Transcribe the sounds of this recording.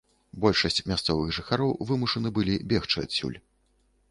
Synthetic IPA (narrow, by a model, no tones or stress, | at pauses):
bɔlʲʂɐsʲt͡sʲmʲast̪sɔvɨɣʐɨxaɾɔwvɨmuʂɐnɨbɨlʲibʲɛxt͡ʂɨa̰sʲṵlʲ